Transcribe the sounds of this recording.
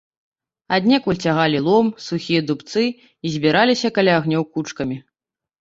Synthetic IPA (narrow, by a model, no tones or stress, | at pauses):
ad̪ʲnʲɛkulʲt͡sʲaɣalʲilˠɔmsuxʲijɐd̪upt̪sɨ | izʲbʲiɾalʲisʲɐkalʲaːɣnʲɔwkut͡ʂkɐmʲi